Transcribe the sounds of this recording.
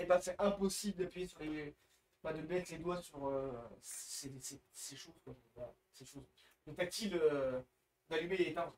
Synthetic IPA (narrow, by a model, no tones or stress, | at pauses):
ebɛ̃sɛʔɛ̃pɔsibləd̪apɥijesyʁle | bad̪əbɛt̪led̪wasyʁøssesɛseʃozkɔ̃t̪a | seʃoz | lət̪ak̚t̪ilø | d̪alymelet̪ã